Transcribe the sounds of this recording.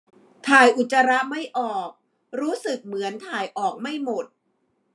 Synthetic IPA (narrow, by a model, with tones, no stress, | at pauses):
t̪ʰaː˨˩jʔu˨˩t̪̚t͡ɕːa˧ɾa˦˥ʔma˥˩jʔɔː˨˩k̚ | ɾuː˦˥sɯ˨˩k̚mɯ˩˦ənt̪ʰaː˨˩jʔɔː˨˩k̚ma˥˩jmo˨˩t̪̚